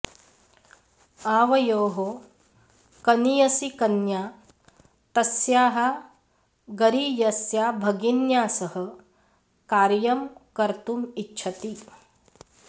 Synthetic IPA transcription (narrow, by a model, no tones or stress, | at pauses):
aːʋɐjoːɦo | kɐnijɐsikɐnjaː | t̪ɐsjaːɦa | ɡɐɾijɐsjaːbʱɐɡinjaːsɐɦɐ̆ | kaːɾjɐmkɐɾt̪umitːʃt͡ʃʰɐt̪i